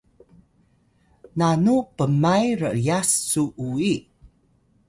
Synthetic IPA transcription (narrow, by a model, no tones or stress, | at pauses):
nanupəmajrə̰ʔjasːuʔui